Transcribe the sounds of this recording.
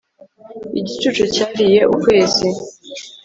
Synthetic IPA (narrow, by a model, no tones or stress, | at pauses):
ḭɟit͡ʃut͡ʃucaːɾije̞ʔukwe̞ːzi